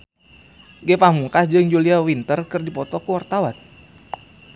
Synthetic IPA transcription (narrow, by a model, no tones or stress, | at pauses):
ɡɛpamuŋkasd͡ʒɨŋd͡ʒuliawint̪ərkɨrdipɔt̪ɔkuwart̪awan